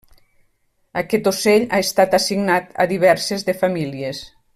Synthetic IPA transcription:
akɛt̪oseʎaest̪at̪asiɡnat̪a̰ðiβ̞ɛɾsezðefamilies

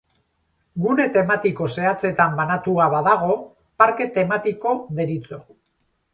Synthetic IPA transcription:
ɡune̞t̪e̞mat̪iko̞se̞at͡se̞t̪ambanat̪uaβaðaɣ̞o̞ | paɾke̞t̪e̞mat̪iko̞ðe̞ɾit͡so̞

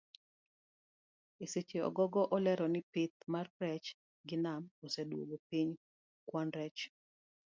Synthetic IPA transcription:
eset͡ʃeɔ̰ɡɔɡɔʔɔlɛɾɔnɪpɪt̪̚marɾɛt͡ʃ | ɡɪnamosedwo̰ɡopiɲ | kwɔnɾɛt͡ʃ

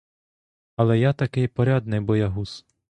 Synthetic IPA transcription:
ɐlˠɛjat̪ɐkɪjpɔɾʲad̪nɪjbɔjɐɦus

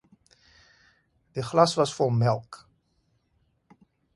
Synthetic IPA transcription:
d̥əχlɑsʋɑsfomɛlˠk

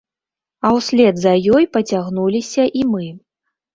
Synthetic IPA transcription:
ɐwsʲlʲɛd̪zɐjɔjpɐt͡sʲaɣnulʲisʲɐʔimɨ

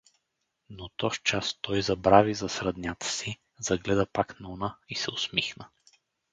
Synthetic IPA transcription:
not̪ɔʃt͡ʃast̪ɔjzɐbɾavizɐsɾɐd̪nʲat̪ə̥si | zɐɡlɛd̪əpaknɐunaisɛʊsmixnə

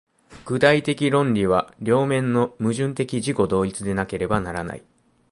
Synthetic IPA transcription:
ɡ̥ɯ̟d̪ait̪e̞kʲiɾõ̞ɲɾʲiβ̞aɾʲo̞ːmẽ̞nːo̞mɯ̟ʑɨ̃nt̪e̞kʲiʑiko̞d̪o̞ːit͡sɨd̪e̞nake̞ɾe̞banaɾana̰i

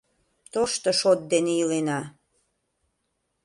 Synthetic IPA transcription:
t̪oʃt̪oʃot̪̚d̪enejilenɑ

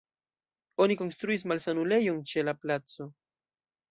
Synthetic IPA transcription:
oniko̞nst̪ɾuis̬malsanulejont͡ʃelaplat͡so

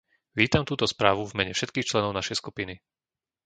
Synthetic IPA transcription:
ʋiːt̪amt̪uːt̪ɔspɾaːʋuvmɛɲɛfʃɛt̪kiːxt͡ʃlɛnɔʊnaʃɛjskupini

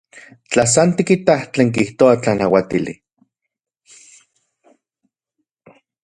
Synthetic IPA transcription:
t͡ɬasant̪ikit̪aht͡ɬeːŋk̬iht̪oat͡ɬanawat̪ilḭ

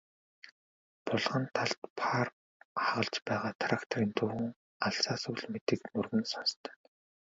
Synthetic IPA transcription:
pʊɮʁə̆nt̪ʰaɬt̪pʰar | χaʁə̆ɮt͡ɕpæːʁaːt̪ʰrakt̪ʰɔriːnt̪ʰɵwɵ̆ŋ | aɬsaːsuɮmet̪ɘ̆kmɵrɣɘ̆nsanst̪ʰœ̥ːn

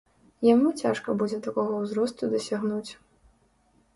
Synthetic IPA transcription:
jamut͡sʲaʂkɐbud͡zʲɛt̪akɔɣɐwzɾɔst̪ud̪ɐsʲaɣnut͡sʲ

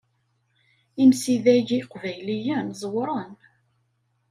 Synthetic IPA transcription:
imsiðæʝiqvæjlijænzˤəwɾˤɑn

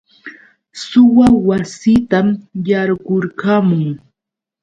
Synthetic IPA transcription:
sʊwawasit̪amjaɾɢʊɾkamʊŋ

